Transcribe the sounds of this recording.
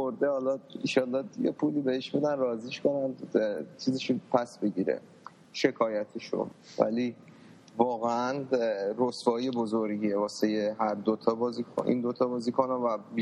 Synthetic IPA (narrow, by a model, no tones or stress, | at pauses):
oɾd̪ehɒlɒḭnʃɒːlːɒjḛpʰuːliːbeheʃbed̪ænrɒːziːʃko̞nænd̪t͡ʃʰiːzeʃupʰæsbeɟiːɾḛ | ʃe̞kʰɒːjæt̪ʰeʃo̰væ̰li | vɒːɣeænrosbɒːje̞bozoɾɡievɒːsejeɦæɾd̪ot̪ʰɒːbɒːzikʰoʔḭːnd̪ot̪ʰɒːbɒːziːkʰonavæb